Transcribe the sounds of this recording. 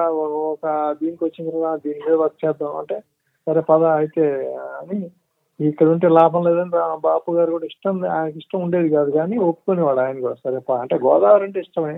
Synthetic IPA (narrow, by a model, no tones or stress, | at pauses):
ɔkɐd̪iːnikʲʋɐt͡ʃːind̪ɾɐand̪iːnimiːd̪ɐbɐt̪̚t͡ʃɛːd̪ːamɐ̰ɳʈeː | sɐɾeːpɐd̪ɐɐjit̪eːniː | kːɐɽuɳʈ̬elaːpɐmlɛːd̪ɐnt̪abaːpuɡaːɾikuːɽaːiʂʈɐma̰ːjnɐkiʂʈɐmuɳɖe̞ːd̪ikaːd̪uɡaːniopːu̥koːneʋaːɽaːjɐnɐkuːɽasɐɾeːpɐɐɳʈe̞ːɡɔːd̪aːɐɾɐɳʈeːiʂʈɐmɐi